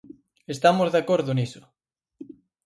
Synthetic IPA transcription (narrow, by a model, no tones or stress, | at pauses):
est̪amozðakoɾðʊnisʊ̥